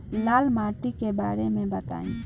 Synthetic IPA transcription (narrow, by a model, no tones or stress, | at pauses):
laːlmaːʈikeba̰ːɾemẽbət̪a̰ːḭ̃